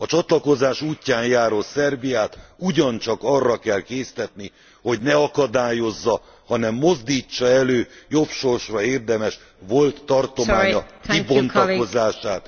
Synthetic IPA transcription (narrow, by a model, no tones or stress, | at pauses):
ɒt͡ʃɒt̪lɒko̞zaːʃuːcːaːnjaːɾo̞t̪sɛrbijaːt̪uɟɒnt͡ʃɒkɒrːɒkɛlkeːst̪ɛt̪ni | ho̞ɟnɛɒkɒd̪aːjo̞zːɒ | hɒnɛmːo̞zd̪iːt͡ʃːɒɛløːjo̞pʃo̞rʃrɒeːrd̪ɛmɛʃ | vo̞lt̪ːɒrt̪o̞maːɲɒibo̞nt̪ɒo̞zaːʃaːt̪